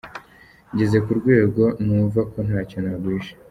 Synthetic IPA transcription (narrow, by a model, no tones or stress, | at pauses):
ɟe̞ze̞kuɾɡwe̞ːɡo̞nuːvako̞n̥haːco̞naɡwiːʃe̥